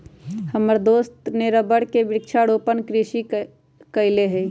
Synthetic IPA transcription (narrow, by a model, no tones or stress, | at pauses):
həməɾd̪oːst̪neɾəbəɽkebɪk̚t͡ʃʰaɽoːpənkɾiʃi | kəɪleɦɛ